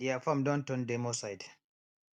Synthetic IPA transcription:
ijafamdɔntɔndɛmɔsajd

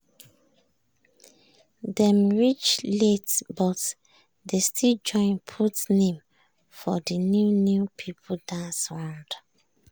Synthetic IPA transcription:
dɛ̃mɹit͡ʃletbɔt | destʰild͡ʒɔ̃ɪ̃npʰutnẽm | fɔdənjunjupʰipʰodãnsɔ̃nd

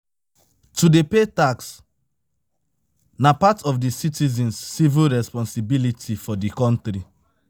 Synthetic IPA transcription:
tudepetaks | napatɔfdisitizɛ̃nsːivilɹɛspɔ̃nsibilitʰifɔdikɔ̃ntɾi

